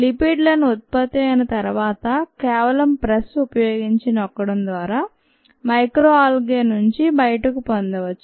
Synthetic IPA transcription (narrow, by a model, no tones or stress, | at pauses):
lipiɖlɐnuut̪̚pɐt̪ːeɐnɐt̪ɐɾuʋaːt̪ɐkɛːʋɐlɐmpɾɐsupɐjoːɡiɲt͡ʃinɔkːɐɽɐmd̪ʋaːɾaː | mɐjkɾoːaːlɡeːnːuɲt͡ʃibɐjɐʈɐkupond̪ɐʋɐt͡ʃːu̥